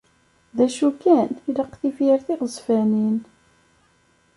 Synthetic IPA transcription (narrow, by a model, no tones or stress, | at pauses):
ðæʃukæniləqːθifjəɾθiʁəzfænin